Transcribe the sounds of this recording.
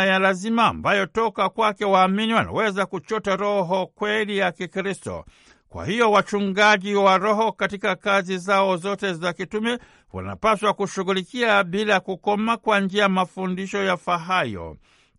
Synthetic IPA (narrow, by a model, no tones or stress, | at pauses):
jalazima̰ːmbajɔtɔkakwakɛwaːminiwana̰wɛzakut͡ʃɔtaɾɔɦɔkwɛlijakikɾistɔ̰ | kwa̰hijɔwat͡ʃuŋɡaʄiwaɾɔɦɔkatikakazizaɔzɔtɛzakitumɛ | wa̰na̰paswakuʃuɣulikiaɓilakukɔmakwand͡ʒiamafundiʃɔjafaɦajɔ̰